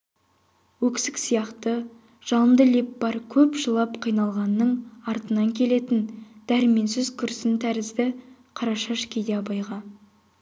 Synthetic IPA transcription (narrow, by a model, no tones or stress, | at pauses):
wɵkʲsɪksijɑqt̪ə | ʒ̥ɑlˠəmd̪əlepbɑɾkʲʰɵpʒəlˠɑpqʰijnɑlˠʁɑnːəɴɑɾt̪ənɑŋkʲʰe̞le̞t̪ɪnd̪̥æɾɪme̞ns̬ɪzkʲʰʏɾsɪnt̪ʰæɾɪzd̪ɪ | qʰɑɾɑʃɑʃkʲʰed̪eɑbɑjʁɑ